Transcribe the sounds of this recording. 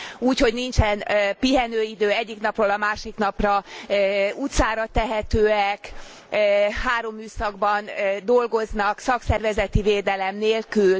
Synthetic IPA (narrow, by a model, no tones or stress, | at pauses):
uːcho̞ɟnint͡ʃɛnøpiɦɛnøːid̪øːɛɟːikn̪ɒproːlɒmaːʃikn̪ɒprɒ | ut̪saːɾɒt̪ɛɦɛt̪øːɛkː | haːɾo̞mːyːsɒɡbɒnːd̪o̞lɡo̞znɒksɒksɛrvɛzɛt̪iveːd̪ɛlɛmneːlkyl